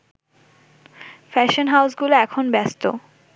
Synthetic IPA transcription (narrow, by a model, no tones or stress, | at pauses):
fɛʃonɦawsɡuloɛkʰonbɛst̪o̰